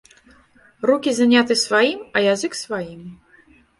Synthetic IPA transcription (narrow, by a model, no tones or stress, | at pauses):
rukʲizanʲat̪ɨsvajimɐjazɨksvajim